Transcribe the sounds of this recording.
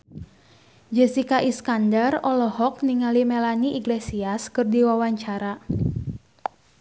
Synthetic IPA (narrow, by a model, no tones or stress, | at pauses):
d͡ʒɛsikaʔiskandarɔlɔhɔk̚niŋalimɛlaniʔiɡlesiaskɨrdiwawaɲt͡ʃaɾa